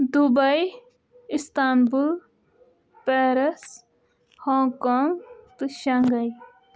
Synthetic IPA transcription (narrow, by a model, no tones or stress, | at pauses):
d̪ubɐj | ist̪aːnbul | peɾɐs | hõːkoːŋɡt̪ɨʃɐŋɡɐj